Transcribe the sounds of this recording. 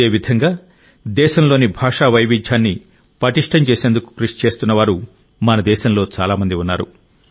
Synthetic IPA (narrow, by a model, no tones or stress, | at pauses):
eːʋid̪ʱɐŋɡaː | d̪ɛːʃɐmlo̞ːnibʱaːʂaːʋɐjʋid͡ʒʱjaːnːi | pɐʈiʂʈɐmt͡ʃe̞ːseːnd̪uku̥kɾiʂt͡ʃe̞ːst̪unːɐʋaːɾu | mɐnɐd̪ɛːʃɐmlo̞ːt͡ʃa̰ːlaːmɐnd̪iunːaːɾṵ